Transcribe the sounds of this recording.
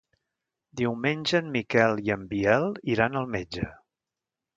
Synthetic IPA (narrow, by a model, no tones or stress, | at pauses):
d̪iwmenʲʒəmmːikɛlˠiəmbiɛlˠiɾanəlˠmed͡ʒə̰